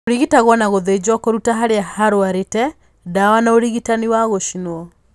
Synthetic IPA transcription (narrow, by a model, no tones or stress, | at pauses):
oɾiɣitaɣwɔnaɣoðed͡ʒwakoɾutaɦaɾeahaɾoaɾetɛ | dawanaoɾiɣitaniwaɣoʃinwɔ